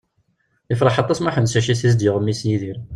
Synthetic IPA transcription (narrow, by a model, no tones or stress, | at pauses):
əfɾˤɑħɑt̪ˤːɑsmaħənsæʃiθiz̬d̪ɪʁəmːisniðiɾ